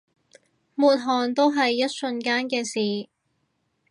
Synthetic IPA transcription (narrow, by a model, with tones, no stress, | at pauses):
muː˨t̚ɦɔː˨ŋt̪o˥wɦɐ˨jːɐ˥t̚sɵ˧nkaː˥nkɛː˧siː˨